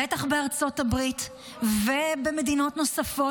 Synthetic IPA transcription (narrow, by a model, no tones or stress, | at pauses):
etaχbeaʁt͡so̞thabʁit | vebeme̞dino̞tno̞safo